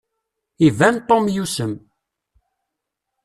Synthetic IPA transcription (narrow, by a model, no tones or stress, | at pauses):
ivænt̪ˤːomjusəm